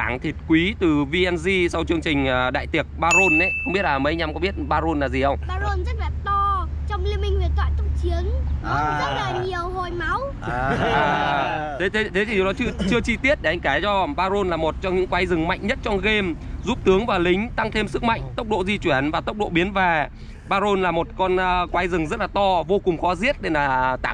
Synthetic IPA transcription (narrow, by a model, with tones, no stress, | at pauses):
aː˧˩ŋt̪ʰi˨˩t̚kwi˨˦t̪ɨ˨˩vi˧ʔɛ˧nzi˧sa˧wt͡ɕɨ˧əŋt͡ɕï˨˩ŋ̟ʔəː˨˩ɗa̰ː˧˨jt̪i˨˩ək̚ɓaː˧zo˧nʔa˨˦jxxŋ͡mɓi˦˥ət̚laː˨˩mə˨˦˧ɲa˨˧mŋ͡mkɔ˨˦ɓi˦˥ət̚ɓaː˧zo˧nlaː˨˩zi˨˩hə˧wŋ͡mɓaː˧zo˧nzə˦˥t̚vɛ˨˩t̪ɔ˧t͡ɕɔ˧wŋ͡mli˧əmi˧ŋ̟vi˨˩t̪wa̰ː˧˨jt̪ʊ˨˧˩ŋ͡m̚t͡ɕi˨˦əŋɔ˧˥zə̰˧˥əː˨˩ɲi˨˩əwɦo˨˩jma˨˦w | ʔaː˨˩t̪ʰe˨˦t̪ʰe˨˦t̪ʰe˨˦t̪i˨˩ɗɔ˨˦t͡ɕɨ˧t͡ɕɨ˧ət͡ɕi˧t̪i˦˥ət̚ɗe˧˩ʔa˧ŋkaː˧˩t͡ɕɔ˧ɓaː˧zo˧nlaː˨˩mo˨˩t̚t͡ɕɔ˧ŋ͡mɲɨ̰˧˥ŋkwaː˨˦jzɨ˨˩ŋma̰˧˨jŋɲə˦˥t̚t͡ɕɔ˧ŋ͡mɣe˧mzu˦˥p̚t̪ɨ˨˦əŋvaː˨˩lï˨˦ŋ̟t̪a˧ŋt̪ʰe˧msɨ˦˥k̚ma̰˧˨jŋ̟t̪ə˦˥wk͡p̚ɗo̰˧˨zi˧t͡ɕwi˧˩ənvaː˨˩t̪ə˦˥wk͡p̚ɗo̰˧˨ɓi˨˦ənvaː˨˩ | ɓaː˧zo˧nlaː˨˩mo˨˩t̚kɔ˧nː˧kwaː˨˦jzɨ˨˩ŋzə˦˥t̚laː˨˩t̪ɔ˧vo˧kʊ˨˩ŋ͡mxɔ˨˦zi˦˥ət̚ɗe˧˩naː˨˩t̪a̰ː˧˨